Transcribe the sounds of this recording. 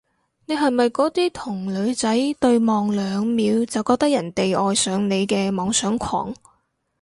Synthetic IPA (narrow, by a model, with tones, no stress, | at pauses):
ne˨˧jɦɐ˨jmɐ˨jkɔː˨˥t̪iː˥t̪ʰʊ˨˩ŋlɵ˨˧ɥt͡sɐ˨˥jt̪ɵ˧ɥmɔː˨˩ŋlœː˨˧ŋmiː˨˧wt͡sɐ˨wkɔː˧k̚t̪ɐ˥kjɐ˨˩nt̪e˨jʔɔː˨˧jsœː˨˥ŋne˨˧jkɛː˧mɔː˨˧ŋsœː˨˥ŋkʷʰɔ̰ː˨˩ŋ